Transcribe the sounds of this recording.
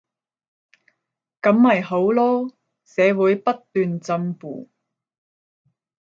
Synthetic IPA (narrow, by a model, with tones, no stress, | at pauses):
kɐ˨˥mːɐ˨˩jho˨˥wlɔː˥ | sɛː˨˧wuː˨˥jpɐ˥t̪ːyː˨nt͡sɐ˧mpṵː˨˩